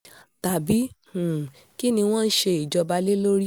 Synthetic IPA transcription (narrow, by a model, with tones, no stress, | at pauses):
ta˨bi˨˦hũ˨ | ki˦nĩ˧w̃ɔ̃˦n̩˦ʃe˧i˨d͡ʒɔ˧ba˧le˦lo˦ɾi˦